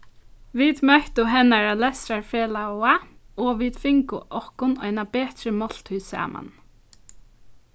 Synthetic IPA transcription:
ʋiːd̪mœht̪ʊɦɛnaɹalɛsɾaɹfeːlawaɔːʋiːd̪̥fɪŋkʊ̰ʔɔhkʊnœ̰jnabeːt̪ɾəmɔl̥t̪hʉːsa̰ːma̰n

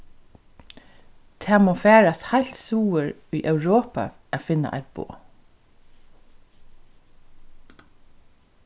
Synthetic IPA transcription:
t̪ʰæːmoːfæːɹashaɪlt̪suːəɹyːʔœʉɹoːpɑ̰ | ʔæːfɪna̰ʔæ̰ɪt̪̚b̥o̰ː

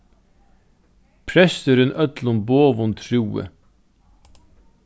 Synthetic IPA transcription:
pʰɾɛst̪əɾʏnʔœt̪lʊmboːʋʊnt̪ʰɾuːə̰

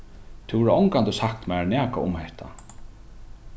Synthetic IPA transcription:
t̪ʰɪvɔɾɪɔŋkant̪ɪsahkt̪manæːka̰ʊmhɛht̪ʰa̰

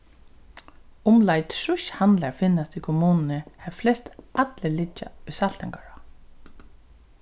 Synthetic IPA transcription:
ʊmlajt̪ʂʊʃhand̪laɹfɪnːast̪ikʰɔmuːnnəhɛvflɛst̪at̪lɪlɪt͡ʃːa̰ʊsal̥t̪ɛŋkaɹa

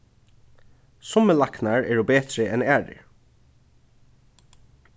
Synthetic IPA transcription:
sɔməlɑknɑɹeːɖoːbeːt̪ɾəʔɛnæːɖə̰ɹ

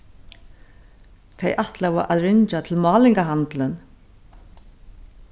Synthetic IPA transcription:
θʰejʔaht̪lavɔʔaðɾɪɲt͡ʃat̪ʰɪlmɑːlɪŋkaɦant̪lɪn

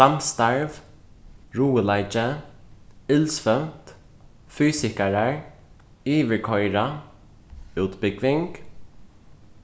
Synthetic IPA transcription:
amst̪aɹv | ɹuːəlaɪt͡ʃə | ɪlsfœmt̪ | fyːsɪkaɹaɹ | iːʋəɹkʰɔʏɹa | ʉːt̪bɪɡvɪŋk

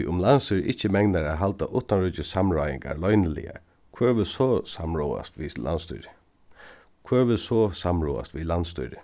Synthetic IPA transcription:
ʔʊmlanst̪ʏɾɪ̰ht͡ʃəmɛŋnaɾaɦalt̪aʔʊht̪anɾʏt͡ʃɪsamɹaːjɪ̰ŋka̰ɾlɔʏnəlɪ̰a̰ | kʰvɛːɹʋɪsɔsamɹuːa̰st̪ʋilʔa̰nst̪ʊ̰ɾ | kʰvøːɹʋɪsɔsamɹṵːa̰st̪ʋilanst̪ʏ̰ɾɪ

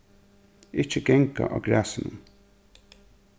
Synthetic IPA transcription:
ɪt͡ʃːəɡɛŋka̰ʔaːɡɾæːsɪnʊn

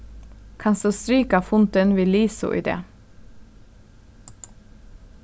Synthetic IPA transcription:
kʰɑnsd̪oːst̪ɾyːkɑfʊnt̪ənʋiːliːsʊ̰ʔḭːd̪ḛː

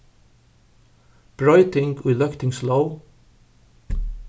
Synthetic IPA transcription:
b̥ɹɔɪt̪ɪ̃ŋɡʰwilœkt̪ɪ̃ŋsloʊ

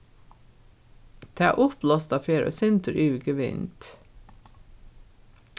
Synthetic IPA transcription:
t̪ʰɑ̰ːʔʊplɑst̪ɑfeːɾo̰sʏnt̪əɾʔʉːɡəʋɪ̰nt̪

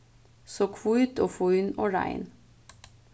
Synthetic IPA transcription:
soːkʰʋuːʉt̪ʰoːfoːʏno̰ːɹæ̰ɪn

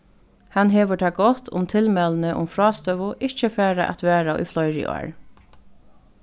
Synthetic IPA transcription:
hanɦeːʋəʈʰaːɡɔt̪ʰʊ̰mt̪ʰɪlmɛlənəʔʊ̰mfɾɑːst̪œʋʊʔɪt͡ʃəfæːɾa̰ʔa̰t̪ʋɛːɾaʊ̰jflɔjɹɪ̰ʔɔ̰ːɹ

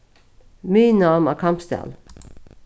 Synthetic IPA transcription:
myːnɑːmæːkʰɑmpsd̪æ̰l

